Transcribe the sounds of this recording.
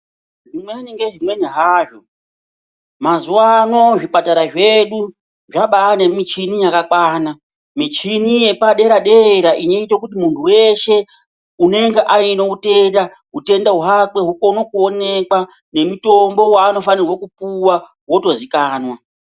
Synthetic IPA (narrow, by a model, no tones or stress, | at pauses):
ʐimweniŋɡeʐimwe̞niɦaːʐo̞ | mazuwano̞ʐipataɾaʐeɗu | ʐaɓaːnemit͡ʃinijakakwaːna | mit͡ʃinije̞paɗe̞ɾaɗe̞ɾaʔino̞itokutimuntʰuwe̞ʃe̞ | une̞ŋɡeʔaino̞ute̞nda | ute̞ndaɦuɦakwe̞ɦuko̞nokuo̞ne̞kwa | ne̞muto̞mbo̞waːno̞fanirwo̞kupuwa | wo̞to̞zikaːnwa